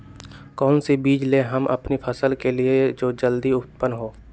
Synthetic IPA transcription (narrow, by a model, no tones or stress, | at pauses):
kɔːnsibiːd͡ʒleɦəmʔɐ̰pnipʰəsəlkelied͡ʒoːd͡ʒəld̪iʊppənɦoː